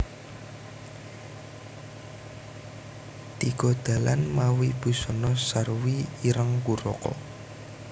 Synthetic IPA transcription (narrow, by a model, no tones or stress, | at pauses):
t̪iɡ̥ɔ̤d̪̥a̤la̰nmawib̥ṳsɔnɔsarwiiɾəŋkuɾɔ̰kɔ̰